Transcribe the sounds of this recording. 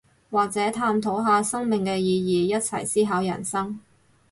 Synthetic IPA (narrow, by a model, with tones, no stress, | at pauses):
waː˨k̚t͡sɛː˨˥t̪ʰaː˧mt̪ʰo˨˥wɦaː˨˧sɐ˥ŋmɪ˨ŋkɛː˧jiː˨˧jiː˨˧jɐ˥t̚t͡sʰɐ˨˩jsiː˥ɦaː˨˥wjɐ̰˨˩nsɐ˥ŋ